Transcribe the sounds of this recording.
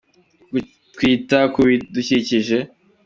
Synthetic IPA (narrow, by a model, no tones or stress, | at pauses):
ɡ | tkwiːtakuβiduciciʒe̞